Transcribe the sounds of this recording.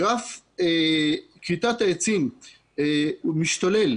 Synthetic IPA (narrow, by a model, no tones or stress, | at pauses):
af | kit̪at̪aet͡sim | miʃt̪ale̞l